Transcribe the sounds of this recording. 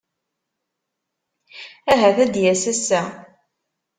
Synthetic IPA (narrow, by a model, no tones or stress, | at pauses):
æɦæθæd̪jæsæsːæ